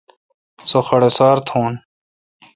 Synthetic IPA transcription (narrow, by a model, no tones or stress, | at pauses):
soxɐɽesaːɾt̪ʰoːn